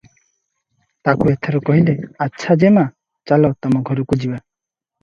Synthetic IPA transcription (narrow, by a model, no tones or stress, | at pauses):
t̪akuet̪ʰɔɾɔkɔɦileatːʃʰad͡ʒema | t͡ʃalɔt̪ɔmɔɡʱɔɾukud͡ʒiba